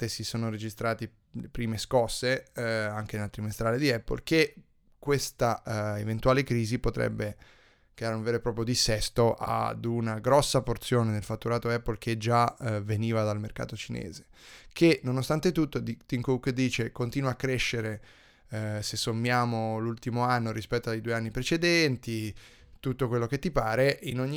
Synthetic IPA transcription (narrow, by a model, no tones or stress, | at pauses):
esisoːnoɾed͡ʒist̪ɾaːt̪i | lepɾiːmeskɔsːeaŋk̟enelat̪ɾimest̪ɾaːled̪iɛpːo̰lke | kwest̪aevent̪uwaːlekɾiːzipot̪ɾɛ̰bːe | kɛɾaunveːɾopɾɔːpɾjod̪isɛst̪oʔa̰d̪unaɡɾɔsːaport̪sjoːned̪elfat̪ːuɾaːt̪oɛpːolk̟ʰed͡ʒaveniːvad̪almerka̰ːt̪ot͡ʃinḛːze̥ | kʰenonost̪ant̪et̪ut̪ːod̪t̪iŋkukd̪iːt͡ʃekont̪iːnwakːɾeʃːeɾe | sesːomːjaːmolult̪imoanːoɾispɛt̪ːoajd̪uːeanːipɾet͡ʃed̪ɛnt̪i | t̪ut̪ːokwelːok̟et̪ːipaːɾeʔinoɲːi